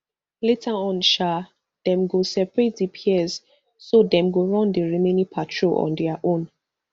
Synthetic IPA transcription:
letʰaɔ̃nʃa | d̥ɛ̃mɡosɛpɹet̚dipʰiɛz | sodɛ̃mɡoɹɔ̃ndeɹimenipʰatʰɹoɔ̰̃ndɛaʔõn

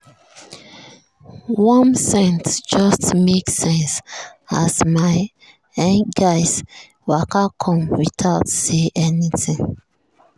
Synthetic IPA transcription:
wɔ̃nsɛ̃ntd͡ʒʌstmeksɛ̃nsasmaɪ | ɛ̃ŋɡaɪs | wakakʰɔ̃mwiθʰaʊtseʔɛnitʰĩŋ

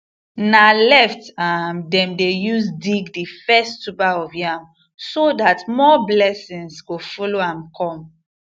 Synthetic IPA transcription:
nalɛftamdɛ̃mdejusdiɡdifɛstupaɔvjam | sodatmɔblɛsĩŋsɡofɔloãmkʰɔ̃m

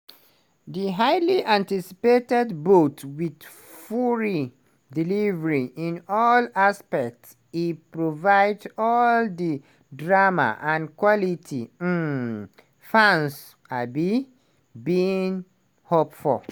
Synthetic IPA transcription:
ðiɦaɪliʔãntisi̥petɛdbotwid | fuɹi | dilivəɹiʔĩnɔlaspɛk̚ts | ipɹovaɪdsɔldi | dɹama̰ʔãnkwɔlitʰi | fãns | abi | biĩŋ | hopfɔl

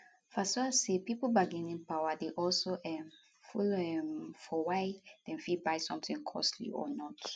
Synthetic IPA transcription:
fasɔsepipobaɡɛ̃nĩŋpawadeʔɔlsoʔɛm | fulɛmfɔwaɪd̥ɛ̃mfibaɪsɔ̃mθĩŋkʰɔ̰slḭɔ̰nɔt

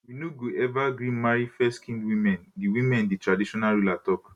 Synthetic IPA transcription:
winoɡoʔɛvaɡɹĩmaɹifɛskʰĩndwĩmɛ̃ndiwĩmɛ̃nditɹadiʃɔnaɹulatɔk

